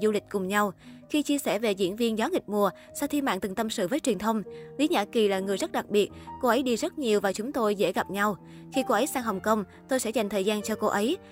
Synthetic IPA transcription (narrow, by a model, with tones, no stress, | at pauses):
zu˧lï˨˩k̟̚kʊ˨˩ŋ͡mɲa˧wxi˧t͡ɕi˧əsɛ̰˧˩ve˨˩zḭ˧˥ənvi˧ənzɔː˨˦ŋï˨˩k̟̚mu˨˩ə | saː˧wt̪ʰi˧ma̰ː˧˨nt̪ɨ˨˩ŋt̪ə˧msɨ̰˧˨vəː˨˦jt͡ɕwi˨˩ənt̪ʰə˧wŋ͡mli˨˦ɲa̰ː˧˥˩ki˨˩laː˨˩ŋɨ˨˩əjzə˦˥t̚ɗa˨˩k̚ɓi˨˩ət̚ko˧ʔə˨˦jɗi˧zə˦˥t̚ɲi˨˩əwvaː˨˩t͡ɕʊ˨˦ŋ͡mt̪o˧jzḛ˧˥ɣa˨˩p̚ɲa˧w | xi˧ko˧ʔə˨˦jsaː˧ŋɦə˨˩wŋ͡mkə˧wŋ͡m | t̪o˧jsɛ̰˧˥za˨˩jŋ̟t̪ʰəː˨˩jzaː˧nt͡ɕɔ˧ko˧ʔə˨˦j